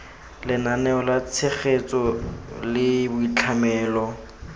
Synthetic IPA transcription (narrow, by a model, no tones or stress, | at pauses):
lɪnanɛɔlat͡sʰeχet͡sʼɔlɪbʊit͡ɬʰamɛːlɔ